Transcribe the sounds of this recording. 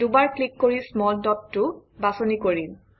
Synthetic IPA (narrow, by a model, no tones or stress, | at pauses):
dubaɹklikːoɹismɔldɔttːʊbasonikoɹin